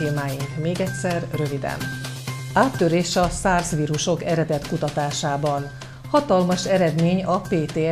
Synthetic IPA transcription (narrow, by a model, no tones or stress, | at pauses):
eːmaːjiŋkmeːɡɛcʲsɛrrø̞vid̪ɛ̰n | aːt̪ːøɾeːʃɒsaːrsʋiːɾuʃo̞kɛɾɛd̪ɛt̪kut̪ɒt̪aːʃaːbɒn | hɒt̪ɒlmɒʃɛɾɛd̪meːɲɒpeːt̪eː